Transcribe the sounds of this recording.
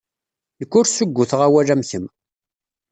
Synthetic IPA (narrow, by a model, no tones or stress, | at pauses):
nəkːʊɾsʊɡʷːʊθʁawælæmçəm